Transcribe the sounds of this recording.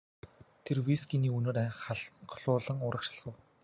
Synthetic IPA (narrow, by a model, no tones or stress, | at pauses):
t̪ʰerwisɡiniːunoːɾæχaɮɢʰɮʊːɮə̆ŋʊːɾə̆kʃḁ̆ɮʁə̆w